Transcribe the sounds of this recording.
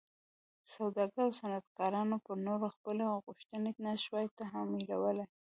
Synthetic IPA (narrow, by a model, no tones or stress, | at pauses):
sawd̪ɑɡəɾawsanat̪̚kɑɾɑnopəɾnoɾaxpəloɣʊʃt̪ənenaʃwɑjt̪aɦameɾawəlaj